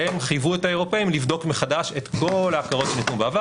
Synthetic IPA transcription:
emχijvuethaeʁ̞o̞peimlivd̪o̞kmeχadaʃe̞t̪ko̞laːfkaʁo̞tʃenit̪nubeava

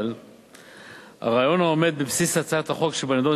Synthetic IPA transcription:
l | ha̰ʁaːjo̞naome̞d̪̚bebsisat͡sat̪haχo̞kʃebanad̪o

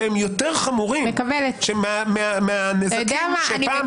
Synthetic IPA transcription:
emjot̪eʁχamuʁimekavelet̪ʃemameameanezaajod̪eamaania

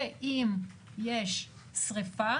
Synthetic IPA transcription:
eʔim | jeʃ | sʁifa

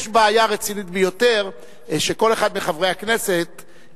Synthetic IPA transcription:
ʃbeajaʁet͡sinit̪bejo̞t̪e̞ʁ | ʃe̞ko̞le̞χad̪miχavʁejakne̞se̞t̪̚

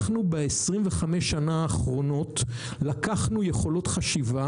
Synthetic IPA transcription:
χnubeesʁimveχameʃːanaːχʁo̞no̞t | lakaχnuje̞χo̞lo̞tχaʃiva

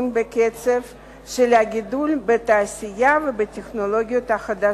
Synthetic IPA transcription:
nbeket͡sev | ʃelhaɡʲid̪ulbet̪aːsʲɪjavebetʲeχno̞lo̞ɡʲijo̞t̪haχad̪a

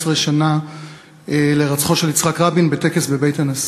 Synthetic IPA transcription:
sʁeʃana | ele̞ʁat͡sχo̞ʃe̞lit͡sχakʁabinbete̞kesbe̞be̞jtanas

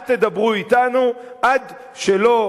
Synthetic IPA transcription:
t̪e̞d̪abʁuit̪anu | ʔad̪ | ʃe̞lo̞

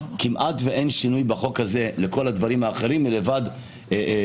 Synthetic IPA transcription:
kimʔatveʔe̞nʃinujbaχo̞khaze̞leko̞lad̪vaʁimaːχe̞ʁimːilevad̪

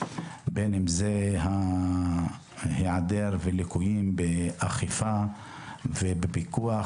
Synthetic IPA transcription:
benemzeɦa | heʕad̪eɾvelikujimbeʔaχifa | vebebikua

